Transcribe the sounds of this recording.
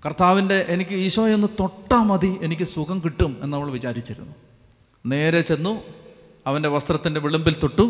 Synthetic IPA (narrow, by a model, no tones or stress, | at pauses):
kɐrt̪aːʋinde̞ʔenikʲːɨiːɕɐjo̞nːɨt̪o̞ʈːɐmɐðie̞nikʲːɨsukɐmkiʈːume̞nːɐʋɐɭʋit͡ɕaːɾit͡ɕːiɾṵnːu | ne̞ːɾet͡ɕe̞nːu | ɐʋɐnde̞ʋɐst̪rɐt̪ːindeʋiɭumbilt̪oʈːu